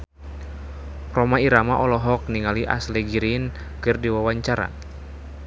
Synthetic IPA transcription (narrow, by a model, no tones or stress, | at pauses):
rɔmaiɾamaʔɔlɔɦɔk̚niŋaliʔa̰slɛɡiɾin | kɨrdiwawaɲt͡ʃaɾa̰